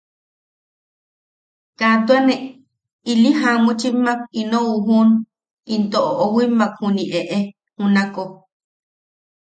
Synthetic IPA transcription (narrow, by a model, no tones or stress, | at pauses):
kat̪uane | iliɦamut͡ʃimak̚inõuɦun | int̪oʔoʔowimːakhuniʔeʔe | hunako